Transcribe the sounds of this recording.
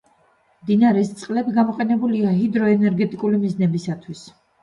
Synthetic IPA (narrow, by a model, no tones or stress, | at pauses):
md̪inaɾɛst̪sʼqʼlɛbiɡamɔqʼɛnɛbuliaɦid̪ɾɔɛnɛɾɡɛt̪ʼikʼulimiznɛbisat̪ʰwis